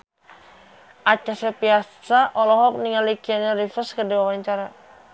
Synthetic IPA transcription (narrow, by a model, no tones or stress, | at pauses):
ʔat͡ʃasapiasaʔɔlɔɦɔk̚niŋalikianaɾifəskədiwawaɲt͡ʃaɾa